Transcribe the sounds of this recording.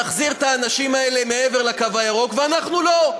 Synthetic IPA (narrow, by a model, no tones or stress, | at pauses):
aχziʁt̪aːnaʃimae̞le̞me̞eveʁlakavajaʁo̞kveanaχnulo̞